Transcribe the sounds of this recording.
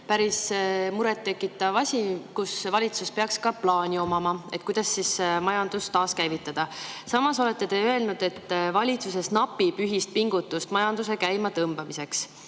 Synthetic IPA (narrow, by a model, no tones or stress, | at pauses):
pæɾismuɾe̞t̪ːe̞kːˑit̪ːˑɑvɑsʲikusvɑlʲit̪suspe̞ɑkskɑplɑːnʲio̞mɑmɑe̞t̪̚kujd̪̥ɑsːismɑjɑnd̪̥ust̪ɑːskæjvit̪ˑːɑd̪̥ɑsɑmɑso̞le̞t̪ːe̞t̪e̞øe̞lnud̪̥e̞t̪ːˑvɑlʲit̪suse̞snɑpːˑib̥yɦist̪̚piŋɡ̥ut̪ːˑust̪mɑjɑnd̪̥use̞kæjmɑt̪ɤmb̥ɑmise̞ks